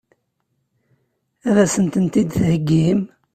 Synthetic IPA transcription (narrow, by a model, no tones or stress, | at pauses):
æðæsənt̪ənt̪id̪θhəɡːim